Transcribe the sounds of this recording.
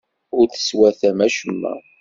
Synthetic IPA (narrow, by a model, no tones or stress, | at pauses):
ʊɾθə̥swæθæmæʃəmːæ̰